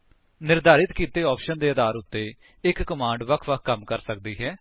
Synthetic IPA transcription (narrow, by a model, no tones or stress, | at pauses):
nɪɾd̪aːɾɪt̪kiːt̪eːɔːpʃənd̪eːəd̪aːɾʊt̪ːeː | ɪkːəmãːɳɖʋəkʰʋəkʰkːəmkəɾsək̚d̪iːɦɛː